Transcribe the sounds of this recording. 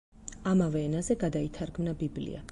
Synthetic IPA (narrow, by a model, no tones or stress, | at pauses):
amavɛːnazɛɡad̪ait̪ʰaɾɡmnabiblḭa̰